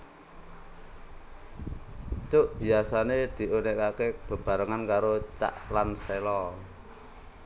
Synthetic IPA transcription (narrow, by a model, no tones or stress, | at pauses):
t͡ʃʊʔb̥i̤asaned̪̥i̤ʔoneʔkakeb̥ə̤b̥a̤ɾəŋankaɾot͡ʃa̰ʔlanselɔ